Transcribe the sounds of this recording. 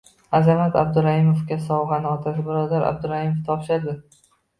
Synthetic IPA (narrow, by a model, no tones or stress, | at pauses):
azamat̪ab̚d̪ʊɾahɪmofkʲasɒwʁɑnɪɒt̪ʰasɪbɪɾɒd̪aɾa̰b̚d̪ʊɾahimoft̪ʰɒpʃad̪ɪ